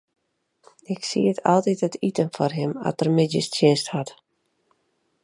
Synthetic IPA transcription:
ɪksiətʰɔ̰lˠtitətitənfɔrɦɪmɔ̰tərmɪtjəstjɪnsthɔt

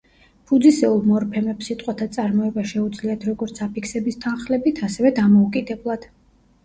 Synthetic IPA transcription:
pʰud̪zisɛulˠmɔɾpʰɛmɛpsit̪ʼqʼwat̪ʰat̪sʼaɾmɔɛbaʃɛud̪zliat̪ʰɾɔɡɔɾt̪sʰapikʰsɛbist̪ʰanχlɛbit̪ʰasɛvɛd̪amɔukʼid̪ɛblˠad̪̥

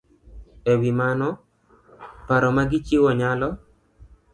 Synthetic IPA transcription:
ɛwimanɔ | paɾɔmaɡɪt͡ʃɪwɔɲalɔ

